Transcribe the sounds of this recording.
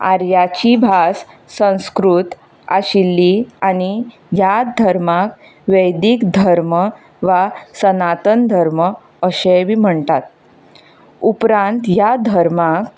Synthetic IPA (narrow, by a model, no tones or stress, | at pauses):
a̰ɾjat͡ɕibʱas | sə̃w̃skɾut̪ | a̰ɕilːiani | jad̪ʱəɾmak | ʋəjd̪ikd̪ʱəɾmə | ʋasənat̪ənd̪ʱəɾmə | əɕẽbim̤əɳt̪at̪̚ | upɾãnt̪jad̪ʱəɾmak